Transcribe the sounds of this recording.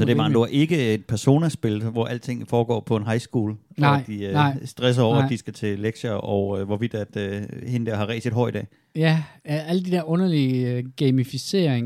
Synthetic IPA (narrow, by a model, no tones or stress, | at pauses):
sɒ̽d̥emɑ̈ːŋnd̥uæɐʔe̝ɡ̥əe̝d̥̚pʰæɐso̝̰ːnɐsb̥e̝lʋɒʔæl̰t͡sʰe̝ŋ̰fɒːɡ̥ɒ̰ːpʰɒ̽e̝nɦɑ̈ɪsɡ̥uːl | d̥iøsd̥ʁɛs̬ɐɒ̰ʊɐæd̥isɡ̥æt͡sʰe̝leɡ̥ɕɐʔɒʊøʋɒʋid̥æd̥øhe̝nəd̥eɐ̰ɦɑ̈ʁɛ̰ɪse̝d̥ɦɒ̽ɪ̰d̥ɛ̰ː | jæææl̰əd̥id̥eɐɔ̽nɐliɡ̥emifise̝̰ːɐ̰eŋ